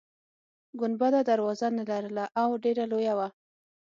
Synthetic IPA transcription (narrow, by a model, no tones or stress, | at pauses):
ɡʊnbad̪ad̪aɾwɑzanalaɾəlaʔawɖeɾalojawa